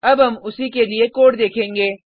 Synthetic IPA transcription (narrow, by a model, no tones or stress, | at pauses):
ɐbɦɐmʊsikeliekoːʈd̪eːkʰẽːŋɡeː